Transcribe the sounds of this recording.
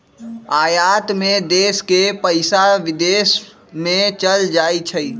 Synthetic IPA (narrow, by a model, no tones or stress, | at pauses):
aːjaːt̪mẽd̪eːskepəɪsaʋɪd̪eːs | mẽt͡ʃəld͡ʒaːit͡ʃʰəi